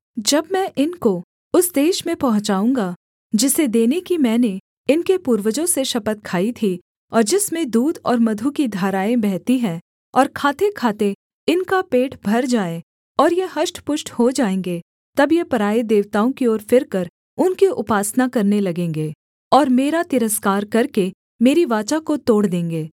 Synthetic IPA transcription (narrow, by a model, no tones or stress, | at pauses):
d͡ʒɐbmɛ̃ʔɪnko | ʊsd̪eːʃmẽpɐɦʊ̃t͡ʃaːũːŋɡa | d͡ʒɪsed̪eːnekimɛ̃ːne | ɪnkepuːɾwəd͡ʒõseʃɐpət̪kʰaːit̪ʰi | ɔːɾd͡ʒɪsmẽd̪uːd̪ɔ̰ːɾmɐd̪ʱukid̪ʱaːɾaːẽbɛɦt̪iɦɛ̃ | ɔːɾkʰaːt̪ekʰaːt̪e | ɪnkapeːʈʰbʱɐɾd͡ʒaːẽ | ɔːɾjeɦɐʃʈpʊʃʈhod͡ʒaːẽːŋɡe | t̪ɐbjepɐɾaːed̪eːʋt̪aːõkioːɾfɪɾkɐɾ | ʊnkiʔʊpaːsnakɐɾnelɐɡẽːŋɡeː | ɔːɾmeːɾat̪ɪɾəskaːɾkɐɾke | meːɾiʋaːt͡ʃakot̪oːɽd̪ẽːŋɡeː